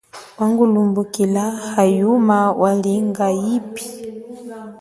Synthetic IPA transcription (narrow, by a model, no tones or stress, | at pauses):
waŋɡulumbukilahajumawʔaliŋɡaipi̥